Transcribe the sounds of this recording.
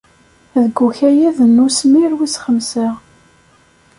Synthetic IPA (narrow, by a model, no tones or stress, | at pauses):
ðəɡːuçæjæðənːusmiɾwisχəmsəʁ